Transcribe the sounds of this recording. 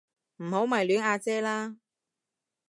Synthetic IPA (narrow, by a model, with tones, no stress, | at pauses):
m̩˨˩ho˨˥wmɐ˨˩jlyː˨˥naː˧t͡sɛː˥laː˥